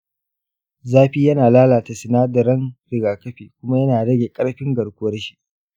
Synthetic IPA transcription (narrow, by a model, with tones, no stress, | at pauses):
zaː˦ɸiː˦jɐ˦naː˨laː˦laː˨ta˨sɪ˨naː˦dɐ˨ɾɐ˦nɾɪ˨ɡaː˨kɐ˦ɸiː˨kʷʊ˦ma˦jɐ˦naː˨ɽɐ˦ɡʲeː˨kʼɐ˦ɽɸɪ˦ŋɡɐ˨ɽkʷʊ˦wɐ˦rʃi̥˦ʔ